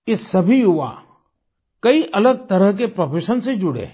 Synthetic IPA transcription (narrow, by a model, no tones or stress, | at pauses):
kɪsɐbʱiɦʊʋa̰ | kɐiʔɐləɡ̚t̪ɐɾəɦk̬epɾopeːʃənsed͡ʒʊɽḛː